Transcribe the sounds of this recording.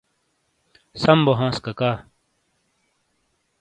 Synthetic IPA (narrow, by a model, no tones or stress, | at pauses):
sɐmboɦãːskɐkaː